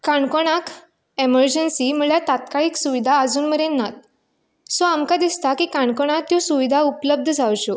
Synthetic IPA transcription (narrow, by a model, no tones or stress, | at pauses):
kaɳkoɽ̃ak | eməɾd͡ʑənsiməɭjat̪at̪kaɭiːksuʋid̪ʱaəd͡zuːnməɾenːat̪̚ | sɔamkad̪ist̪akiːkãɳkoɽ̃at̪jɔsuʋid̪ʱaupləb̚d̪ʱəd͡zʱawɕo